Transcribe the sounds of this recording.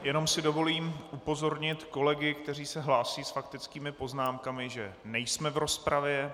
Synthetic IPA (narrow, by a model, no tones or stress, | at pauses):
jɛno̞msɪdo̞vo̞liːmʔupo̞zo̞ɾɲɪt̪ko̞lɛɡɪkt̪ɛr̝iːsɛɦlaːsiːsfakt̪ɪt͡skiːmɪpo̞znaːmkamɪʒɛnɛjsmɛvɾo̞spɾavjɛ